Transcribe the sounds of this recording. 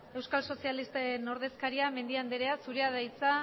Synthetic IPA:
e̞wskalso̞sialist̪eno̞ɾð̞e̞skaɾiame̞nd̪iand̪eɾeasuɾeaðajt͡sa

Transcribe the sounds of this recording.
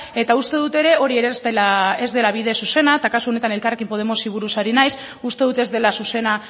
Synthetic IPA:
e̞t̪aust̪e̞ðut̪e̞ɾe̞o̞ɾie̞ɾezd̪elae̞zd̪e̞laβ̞iðesuse̞nat̪akasuo̞ne̞t̪anelkarekimpo̞ð̞e̞mo̞siβ̞uɾusaɾinajs | ust̪e̞ðut̪e̞zd̪e̞lasuse̞na

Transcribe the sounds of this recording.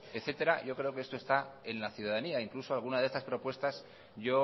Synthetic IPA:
e̞θe̞t̪e̞ɾaʝo̞kɾe̞okeest̪oe̞st̪ae̞nlaθjuð̞aðaniaiŋkluso̞alɣ̞unaðest̪aspɾo̞pwe̞st̪as | ʝo̞

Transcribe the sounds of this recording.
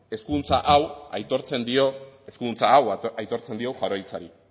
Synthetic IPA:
e̞skunt͡saʔawa̰jt̪o̞ɾt͡se̞nd̪io̞e̞skunt͡saːwajt̪o̞ɾt͡send̪iowxaɾojt͡saɾi

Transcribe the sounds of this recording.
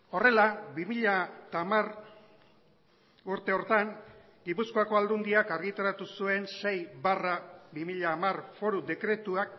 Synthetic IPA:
o̞re̞labimiʎat̪amar | uɾt̪e̞o̞ɾt̪aŋ | ɡipusko̞ako̞ald̪und̪iakaɾɣit̪aɾat̪usue̞nse̞jβarabimiʎaːmarfo̞ɾud̪e̞kɾe̞t̪uak̚

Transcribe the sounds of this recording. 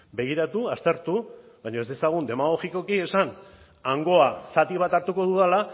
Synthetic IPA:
be̞ɣ̞iɾat̪uast̪e̞ɾt̪u | βajɲo̞e̞zd̪e̞saɣ̞und̪e̞maɣo̞xiko̞kie̞san | aŋɡo̞asat̪iβ̞at̪aɾt̪uko̞ðuðala

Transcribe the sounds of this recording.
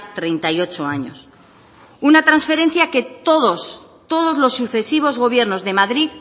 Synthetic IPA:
t̪ɾe̞jnt̪ajo̞t͡ʃo̞aɲo̞̰s | unat̪ɾansfe̞ɾe̞n̟θjake̞t̪oðost̪o̞ð̞o̞zlo̞sːuθe̞siβ̞o̞zɣo̞β̞je̞ɾno̞zðe̞maðɾið

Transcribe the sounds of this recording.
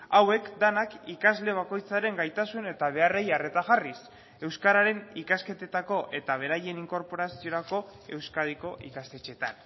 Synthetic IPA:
awe̞kd̪anakikazle̞β̞ako̞jt͡saɾe̞ŋɡajt̪asune̞t̪aβ̞e̞are̞jare̞t̪aɣaris | e̞wskaɾaɾe̞nikaske̞t̪e̞t̪ako̞ʔe̞t̪aβ̞e̞ɾaje̞niŋko̞ɾpo̞ɾasio̞ɾako̞e̞wskaðiko̞ʔikast̪e̞t͡ʃe̞t̪a̰n

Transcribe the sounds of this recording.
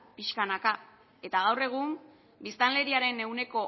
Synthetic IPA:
piʃkanaka | e̞t̪aɣ̞awre̞ɣ̞um | bist̪anle̞ɾiaɾe̞ne̞uwne̞ko̞

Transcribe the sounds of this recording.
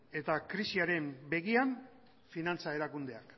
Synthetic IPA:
e̞t̪akɾisiaɾe̞mbe̞ɣian | finant͡sae̞ɾakund̪e̞ak

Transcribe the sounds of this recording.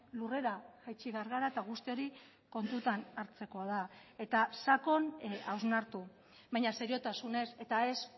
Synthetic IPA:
lure̞ɾaʝajt͡ʃiβeaɾɣaɾaet̪aɣ̞ust̪io̞ɾi | ko̞nt̪ut̪anaɾt͡se̞ko̞aðae̞t̪asako̞nawznaɾt̪u | βajɲase̞ɾio̞t̪asune̞se̞t̪ae̞s

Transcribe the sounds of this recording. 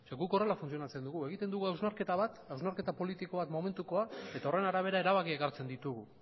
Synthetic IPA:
seɡuko̞re̞lafunt͡sio̞nat͡se̞nd̪uɣue̞ɣ̞it̪e̞nd̪uɣuawznaɾke̞t̪aβat̪awznaɾke̞t̪apo̞lit̪iko̞βat̪mo̞me̞nt̪uko̞ae̞t̪ao̞re̞naɾaβ̞e̞ɾae̞ɾaβakieɣaɾt͡se̞nd̪it̪uɣu

